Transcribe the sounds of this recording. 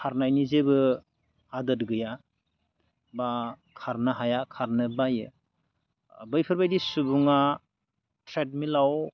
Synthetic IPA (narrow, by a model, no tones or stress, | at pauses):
kʰaɾnajnizebɯ | adɯtɡɯja | ba | kʰaɾnaɦajakʰaɾnɯbajɯ | bɯjpʰɯɾbajdisubuŋa | tɾet̚milaw